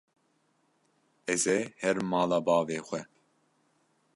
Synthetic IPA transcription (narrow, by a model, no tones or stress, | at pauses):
ɛzehɛɾmɑːlaːbɑːveːxʷɛ